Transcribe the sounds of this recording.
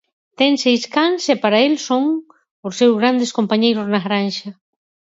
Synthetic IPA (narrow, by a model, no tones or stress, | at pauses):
t̪eŋsejskansepaɾaelsoŋ | ʊsːewzɣɾand̪eskompaɲejɾʊznaɣɾanʃɐ